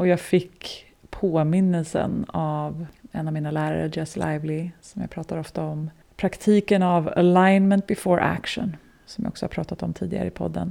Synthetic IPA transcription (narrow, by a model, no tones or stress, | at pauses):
ɔjɑːɡfɪkː | pʰoːmɪnːəlsə̰navɛnːavmiːnalæːɾa̰ɾə̰d͡ʒɛslʔa̰ɪvlɪsɔmja̰ːpʰɾɑːt̪aɾɔft̪aɔm | pʰɾakt̪ʰiːkənava̰lajnmɛnt̪̚bɪfoːɾʔæ̰kʂə̰n | sɔmja̰ɔksɔhapʰɾɑːt̪at̪ɔmt̪ʰiːd̪ɪɡa̰ɾə̰ɪpʰɔ̰d̪ːən